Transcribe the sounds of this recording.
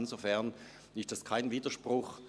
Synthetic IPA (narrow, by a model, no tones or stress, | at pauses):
nzofɛɐn | ɪstd̥askʰaɪnviːdɐʃpʁ̥ʊx